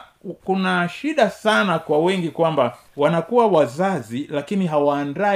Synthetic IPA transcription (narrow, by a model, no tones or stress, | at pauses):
kunaʃiɗasanakwawɛŋɡikwamba | wanakuwawazazilakiniɦawaːnda